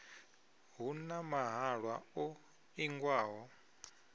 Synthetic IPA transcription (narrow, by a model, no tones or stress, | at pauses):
ɦunamaɦaɺwaɔ | iŋɡwaːɦɔ